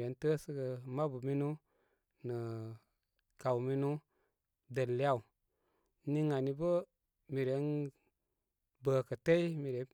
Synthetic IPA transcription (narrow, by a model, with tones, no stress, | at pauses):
ɾe˨˦ntə˦sə˦ɡə˧ma˦bu˨mi˦nu˦ | nə˨ | ka˨wmi˦nu˦ | də˨lːi˦a˦˨u˨ | ni˧ŋa˨ni˧bə˦ | mi˨ɾe˨˦n | bə˨kə˨te˦i˦mi˨ɾe˨˦